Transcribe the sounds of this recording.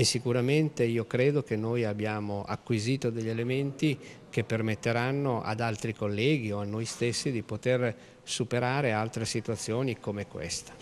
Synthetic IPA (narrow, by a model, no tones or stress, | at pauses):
esːikuɾament̪eiːokɾeːd̪okenːojabːjaːmoʔa̰kːwiziːt̪od̪eʎːelement̪i | kepːermet̪ːeɾanːoʔa̰d̪alt̪ɾikolːɛːɡioanːojst̪esːid̪ipot̪er | supeɾaːɾealt̪ɾesit̪uat̪sːjoːnikomekwḛst̪ḁ